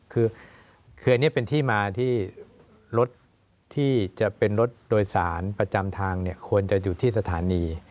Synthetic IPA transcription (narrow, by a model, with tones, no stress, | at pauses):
kʰɯː˧ | kʰɯː˧˩a˧nːi˦˥˩pe˧nt̪ʰiː˥˩maː˧t̪ʰiː˥˩ | ɾo˦˥t̪ʰː | iː˥˩t͡ɕa˨˩pe˧nɾo˦˥t̪̚doː˧jsaː˩˦npɾa˧t͡ɕa˧mt̪ʰaː˧ŋni˥˩ɐkʰu˧ənt͡ɕa˨˩juː˨˩t̪ʰiː˥˩sa˧t̪ʰaː˩˦niː˧